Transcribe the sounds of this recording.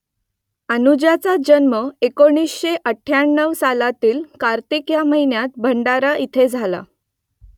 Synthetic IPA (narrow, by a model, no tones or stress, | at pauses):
ənud͡ʑat͡sad͡ʑənməekoɳ̃iːsɕeʔəʈʰːjaɳːəʋsalat̪iːlkaɾt̪ikjaməɦinjat̪̚bʱəɳɖaɾaʔit̪ʰed͡zʱala̰